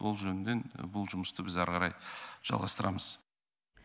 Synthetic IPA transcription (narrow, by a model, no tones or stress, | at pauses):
wʔo̞̰lˠʒɵnɪne̞nbʊlˠʒʊməst̪əbɪzɑɾʁɑɾɑjʒ̥ɑ̰lˠʁɑ̰st̪əɾʔɑməz̥